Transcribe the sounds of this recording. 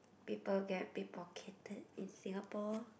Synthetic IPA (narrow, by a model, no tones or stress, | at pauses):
pipəlɡɛt̚pipɔkʰetəd̚ĩnsĩŋapɔ